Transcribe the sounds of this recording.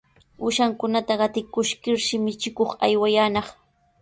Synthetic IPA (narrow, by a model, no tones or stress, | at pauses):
ʊʃaŋkʊnat̪aɢɑt̪ɪkʊʃkɪɾʃɪmɪt͡ʃɪkoχa̰jwajaːnɑχ